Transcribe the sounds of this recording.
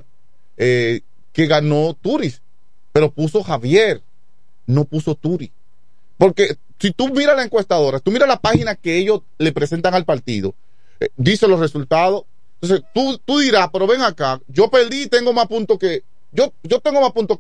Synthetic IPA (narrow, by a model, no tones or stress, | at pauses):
e | ke̞ɣano̞t̪uɾis | pe̞ɾopuso̞haβjeɾ | no̞puso̞t̪uɾis | po̞ɾke̞ | sit̪umiɾalaeŋkwe̞st̪aðo̞ɾasi̥t̪umiɾalapahinake̞eʝo̞s | le̞pɾe̞se̞nt̪aŋalpaɾt̪ḭðo̞ | d̪iseloresult̪aðo̞ | t̪onset̪ut̪uðiɾaspe̞ɾo̞βe̞ŋakaʝo̞peld̪iːt̪e̞ŋɡo̞maspunt̪oke | ʝod͡ʒo̞t̪eŋɡo̞mapunt̪o